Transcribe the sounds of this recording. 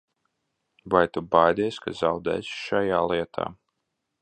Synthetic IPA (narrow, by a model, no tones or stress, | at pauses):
vajt̪ubajd̪isʲkazawd̪ɛ̰ːsʃajaːlˠiɛt̪ʰa̰ː